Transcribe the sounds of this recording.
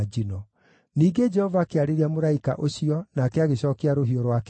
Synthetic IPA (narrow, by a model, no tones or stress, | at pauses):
d͡ʒinɔ | niːɡed͡ʒɛhɔvakeaɾeɾiamoɾaika̰ʔoɕiɔnaːkɛaɣeɕɔːkeaɾoɦiɔɾwak